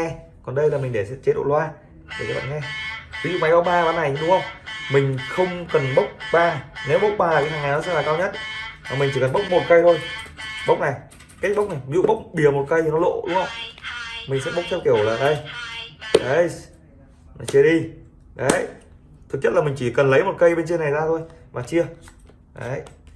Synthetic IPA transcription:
ɛ˧ | kɔ˨nɗə˧jlaː˨˩mï˨˩ŋ̟ɗe˧˩sɛ̰˧˥t͡ɕe˨˦ɗo̰˧˨lwaː˧ | ɗe˧˩kːɓa̰˧˨ŋɛ˧vi˨˦zṵ˧˨ma˨˩jɓə˦˥k͡p̚ɓaː˧ɓaː˨˦na˨˩jɗʊ˨˦ŋ͡mhə˧wŋ͡mmï˨˩ŋ̟xə˧wŋ͡mkə˨˩nɓə˦˥wk͡p̚ɓaː˧ne˨˦wɓə˦˥wk͡p̚ɓaː˧lːkːhaː˨˩ŋa˨˩jnɔ˨˦sɛ̰˧˥laː˨˩kaː˧wɲə˦˥t̚maː˨˩mï˨˩ŋ̟t͡ɕi˧˩kə˨˩nmɓə˦˥k͡p̚mo˨˩t̚kə˧jt̪ʰo˧jɓə˦˥k͡p̚na˨˩j | ka˦˥k̟̚ɓə˦˥wk͡p̚na˨˩jvi˦zṵ˧˨ɓə˦˥wk͡p̚ɓi˧˩əmo˨˩t̚kə˧jnɔ˨˦lo̰˧˨ɗʊ˦ŋ͡mhə˧˦ŋ͡mmï˨˩ŋ̟sɛ̰˧˥ɓə˦˥k͡p̚t̪ʰɛ˧wki˧˩əwlaː˨˩ɗə˧j | ɗə˨˦j | n˨˧˦t͡ɕi˧əɗi˧ | ɗə˨˦j | t̪ʰɨ˨˩k̚ɲ̥ə˦˥tlaː˨˩mï˨˩ŋ̟t͡ɕi˧˩kə˨˩nlə˨˦jmo˨˩t̚kə˧jɓe˧nt͡ɕe˧na˨˩jzaː˧t̪ʰo˧jvaː˨˩t͡ɕi˧ə | ɗə̰˨˦

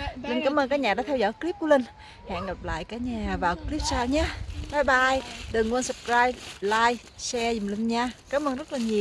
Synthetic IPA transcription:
ə˧ŋkaː˨˦mʔəː˧nkaː˦˥k̚ɲaː˨˩ɗaː˧˥t̪ʰɛ˧wzɔ̰˧˥˨jkli˦˥p̚ku˧˦lə˧ŋ̟ | ha̰ː˧˨nɣa˨˩p̚la̰ː˧˨jkaː˨˦ɲaː˨˩vaː˨˩wkli˦˥p̚saː˧wɲaː˨˦˥t̪ʰaː˨˦jɓaː˧jɗɨ˨˩ŋkwə˧nsə˨˩p̚kɾaː˧jp̚laː˧j | sɛ˧zi˨˩mli˧ŋɲaː˧kaː˨˦mʔəː˧ŋzə˦˥t̚laː˨˩ɲi˨˩əw

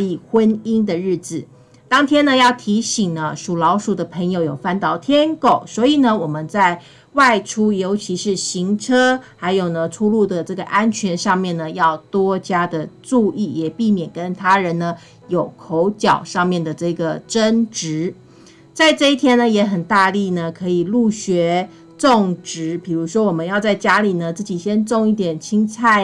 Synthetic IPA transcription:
i˥˨˩xwə˦ni˥nd̪ə˨ɻ̩˥˩d͡z̩˨˩ | t̪ɑ˥ŋt̪ʰjɛ˥nə˨jɑ˥˩ʊt̪ʰi˧˥ɕi˨˩ŋnə˦ʂu˨˩lɑ˧˥ʊʂu˨˩d̪ə˦pʰə˧˥ŋjo˧ʊjo˨˩ʊfa˥˧nt̪ɑ˥˩ʊt̪ʰjɛ˥nko˨˩ʊswɔ˧˥i˨˩nə˦wɔ˨˩mə˦nt͡sa˥˧ɪ | wa˥˩ɪʈ͡ʂʰu˥jo˧˥ʊt͡ɕʰi˧˥ʂɻ̩˥˩ɕi˧˥ŋʈ͡ʂʰɤ˥xa˧˥ɪjo˨˩ʊnə˦ʈ͡ʂʰu˥lu˥˩d̪ə˩ʈ͡ʂɤ˥˩ɡə˩ʔa˥nt͡ɕʰɥɛ˧˥nʂɑ˥˧ŋmjɛ˥˩nnə˩jɑ˥˩ʊt̪wɔ˥t͡ɕja˥d̪ə˨ʈ͡ʂu˥˧i˥˩jɛ˨˩pi˥˩mjɛ˨˩nkə˦˥nt̪ʰa˥ɻə˧˦nnə˧ | jo˨˩ʊkʰo˧˥ʊt͡ɕjɑ˨˩ʊʂɑ˥˧ŋmjɛ˥˩nd̪ə˩ʈ͡ʂɤ˥˩ɡə˩ʈ͡ʂə˥nʈ͡ʂɻ̩˧˥˦ | t͡sa˥˧ɪʈ͡ʂɤ˥˧i˥˩t̪ʰjɛ˥nə˧˨jɛ˧˥xə˨˩nt̪a˥˧li˥˩nə˩kʰɤ˧˥i˨˩lu˥˩ɕɥɛ˧˥ | ʈ͡ʂo˥˩ŋʈ͡ʂɻ̩˧˥pi˨˩ɻu˧˥ʂwɔ˥wɔ˨˩mə˦njɑ˥˧ʊt͡sa˥˩ɪt͡ɕja˥li˨˩nə˦t͡sɹ̩˥˩t͡ɕi˨˩ɕjɛ˥nt͡so˥˧ŋi˥˩t̪jɛ˨˩nt͡ɕʰi˥ŋt͡sʰa˥˩ɪ

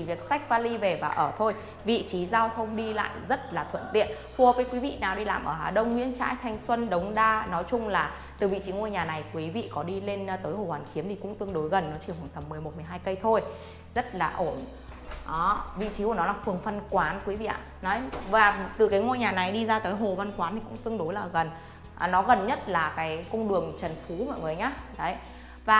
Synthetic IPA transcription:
vi˨˩ək̚sa˦˥k̚vaː˧li˧ve˨˩vaː˨˩ʔəː˧˩t̪ʰo˧j | vḭ˧˨t͡ɕi˨˦zaː˧wt̪ʰə˧wŋ͡mɗi˧la̰ː˧˨jzə˦˥t̚laː˨˩t̪ʰwə̰˧˨nt̪ḭ˧˨ən | vu˧˩əvəː˨˦jkwi˨˦vḭ˧˨naː˨˩wɗi˧laː˨˩mʔəː˧˩ɦaː˧˩ɗə˧wŋ͡mŋwḭ˧˥ənt͡ɕa̰ː˧˥jt̪ʰa˧jŋ̟swə˧nɗə˨˦wŋ͡mɗaː˧nɔ˨˦jt͡ɕʊ˧ŋ͡mlaː˨˩ | t̪ɨ˨˩vḭ˧˨t͡ɕi˨˦ŋo˧jɲaː˨˩na˨˩jkwi˨˦vḭ˧˨kɔ˨˦ɗi˧le˧n˧t̪əː˨˦jho̰˧˩waː˨˩˦nxi˨˦əmt̪ʰi˨˩kʊ̰˧˥ŋ͡mt̪ɨ˧əŋɗo˨˦jɣə˨˩nːɔ˨˦t͡ɕi˧˩whwaː˨˩nt̪ə˨˩mːɨ˨˩əjm˨˩t̚m˨əjɦaː˧jkə˧jt̪ʰo˧j | zə˦˥t̚laː˨˩ʔo˧˩n | ʔɔː˨˦vḭ˧˨t͡ɕi˨˦ku˧˩nɔ˨˦laː˨˩fɨ˨˩əŋfə˧nkwaː˨˦nkwi˨˦vḭ˧˨ʔa̰ː˧˨nɔ˨˦jvaː˨˩t̪ɨ˨˩kaː˨˦jŋo˧jɲaː˨˩na˨˩jɗi˧zaː˧t̪əː˨˦jɦo˨˩va˧nkwaː˨˦nt̪ʰi˨˩kʊ̰˧˥ŋ͡mt̪ɨ˧əŋɗo˨˦jlaː˨˩ɣə˨˩n˨˩ | nɔ˨˦ɣə˨˩nɲə˦˥t̚laː˨˩kaː˨˦jkə˧wŋ͡mɗɨ˨˩əŋt͡ɕə˨˩nfu˨˦mɔ̰˧˨jŋɨ˨˩əjɲaː˨˦ɗə˨˦j | vaː˨˩

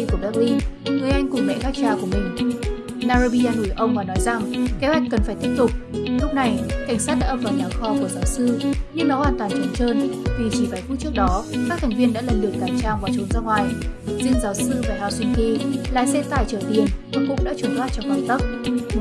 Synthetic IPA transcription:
i˧ku˧˩əɓɛː˦˥k̚li˧nŋɨ˨˩əjʔa˧jŋ̟kʊ˨˩ŋ͡mlḛ˧˨ɣaː˦˥k̚t͡ɕaː˧ku˧˩mï˨˩ŋ̟ | naː˧zo˧ɓi˧aː˧nu˧˩əjʔə˧wŋ͡mvaː˨˩nɔ˨˦jza˨˩ŋke˨˦hwa˨˩jk̟̚kə˨˩nfaː˧˩jt̪i˦˥əp̚t̪ʊ˨˩k͡p̚lʊ˦˥k͡p̚na˨˩jka˧˩jŋ̟saː˦˥t̚ɗa̰ː˧vaː˨˩ɲaː˨˩wxɔ˧ku˧˩əzaː˨˦wsɨ˧ɲɨ˧ŋnɔ˨˦waː˨˩nt̪waː˨˩nt͡ɕə˧˩nt͡ɕəː˧nvi˨˩t͡ɕi˧˩vaː˨˧˩jku˧˥t͡ɕɨ˦˥ək̚ɗɔ˨˦ka˦˥kt̪ʰjŋ̟vi˧ənɗa̰ː˧˥la˨˩nlɨ˨˩əkaː˧˩t͡ɕaː˧wvaː˨˩t͡ɕu˨˦nzaː˧ŋwaː˨˩jzḭ˧ənzaː˨˦wsɨ˧vaː˨˩haː˧˩swi˧nki˧la̰ː˨sɛ˧t̪aː˨˩jt͡ɕəː˧˩t̪i˨˩ənvɨ˨˩kʊ̰˧˥ŋ͡mɗa̰ː˧˥t͡ɕu˨˧˩nfwaː˦˥t̚t͡ɕɔ˧ŋ͡mkaː˧˩nt̪ə˦˥k͡p̚

